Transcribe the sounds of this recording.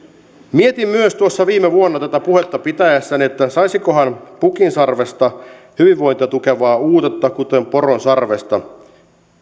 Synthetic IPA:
mie̞t̪imːyøst̪uosːɑʋiːmeʋuonːɑt̪æt̪æpuhe̞t̪ːɑpit̪æjæsːæniet̪ːæsɑjsiko̞ɦɑnpukinsɑrʋe̞st̪ɑ | hyʋiʋːo̞jnt̪iɑt̪uke̞ʋɑːuːt̪et̪ːɑkut̪e̞mpo̞ronsɑrʋe̞st̪ɑ

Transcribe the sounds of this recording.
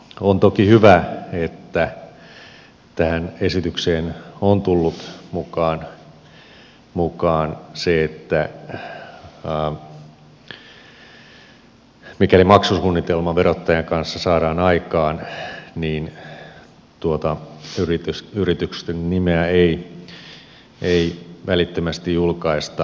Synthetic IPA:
ont̪okihyʋæet̪ːæ | t̪æhænesit̪ykseːnont̪ulːut̪mukɑːn | mukɑːnseet̪ːæ | mikælimɑksusuːnːit̪elmɑʋeɾot̪ːɑjɑŋkɑnsːɑsɑːɾɑːnɑikɑːnniːn | t̪uot̪ɑyrit̪ysyrit̪ykst̪ennimeæei | eiʋælit̪ːømæst̪ijjulkɑist̪ɑ

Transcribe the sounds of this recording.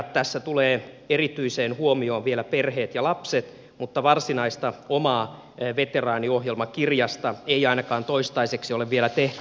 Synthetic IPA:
t̪æsːæt̪uleː | erit̪yiseːnhuomioːʋielæperheːt̪jɑlɑpset̪ | mut̪ːɑʋɑrsinɑist̪ɑomɑː | ʋet̪erɑːnioɦjelmɑkirjɑst̪ɑeiɑinɑkɑːnt̪oist̪ɑiseksioleʋʋielæt̪eht̪y

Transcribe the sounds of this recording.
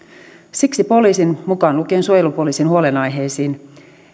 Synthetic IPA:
siksipo̞liːsinmukɑːnlukeːnsuojelupo̞liːsinhuo̞lenɑjɦe̞ːsiːn

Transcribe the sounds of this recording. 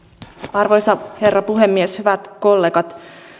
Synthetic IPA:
ɑrʋo̞jsɑhe̞rːɑpuɦe̞mːieshyʋæt̪ko̞lːe̞ːɡɑt̪

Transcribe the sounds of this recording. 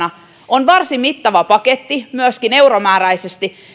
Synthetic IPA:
nɑ | onʋɑrsimmit̪ːɑʋɑpɑket̪ːimyøskine̞uromæːɾæisest̪i

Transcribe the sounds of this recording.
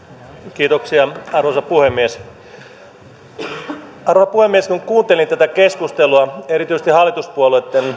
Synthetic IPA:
kiːt̪oksiɑɑrosɑpuhemːies | ɑrosɑpuhemːieskuŋkuːnt̪elint̪æt̪ækeskust̪eluɑeɾit̪yise̥t̪ihɑlːˑit̪uspuoluet̪ːen

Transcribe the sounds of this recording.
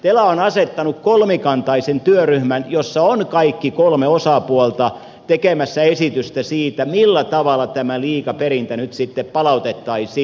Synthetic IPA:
t̪elæonɑset̪ːɑnukkolmikɑnt̪ɑisent̪yøryhmænjosːɑonkɑikːikolmeosɑpuolt̪ɑ | t̪ekemæsːæesit̪yst̪æsiːt̪æmilːæt̪ɑʋɑlˑɑt̪æmæliːkɑpeɾint̪ænyt̪sit̪ːeppɑlɑut̪et̪ːɑisi

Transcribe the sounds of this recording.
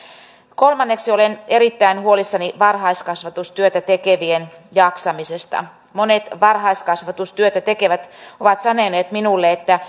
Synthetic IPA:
kolmɑnːeksioleneɾit̪ːæinhuolisːɑniʋɑrhɑiskɑsʋɑt̪ust̪yøt̪æt̪ekeʋienjɑksɑmisest̪ɑ̰ | monet̪ʋɑrɦɑiskɑsʋɑt̪ust̪yøt̪æt̪ekeʋæt̪oʋɑt̪sɑneneːt̪minulːeet̪ːæ

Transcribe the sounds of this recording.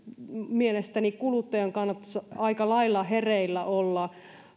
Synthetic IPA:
mielest̪ænikkulut̪ːɑjɑŋkɑnːɑt̪ːɑ̥sɑikɑlɑilːɑhereilːæʔolːɑ

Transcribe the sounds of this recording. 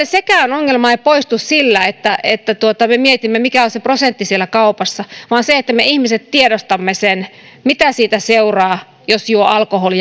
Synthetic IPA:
esekæonoŋːelmɑeipoist̪ussilːæet̪ːæʔet̪ːæt̪uot̪ɑmemiet̪imːemikæoseprosent̪ːisielækɑupɑsːɑʋɑːnseet̪ːæmeihmiset̪t̪iedost̪ɑmːesen | mit̪æsiːt̪æseurɑː | josjuoʔɑlkoholi

